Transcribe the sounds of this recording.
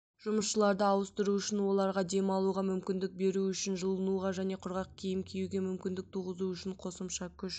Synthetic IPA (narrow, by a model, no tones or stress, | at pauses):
ʒ̥ʊməsʃəlˠɑɾd̪əɑwəst̪əɾuʏʃɪnwo̞lˠɑɾʁɑd̪e̞mɑlˠuʁɑmʏmkʲɪnd̪ɪk̚be̞ɾuʏʃɪnʒəlˠənuʁɑʒæne̞qʰʊɾʁɑq̚kʲʰejɪmkʲʰejuɡʲemʏmkʲɪnd̪ɪk̚t̪ʰuʁəzuʏʃɪɴqʰo̞səmʃɑkʲʰʏʃ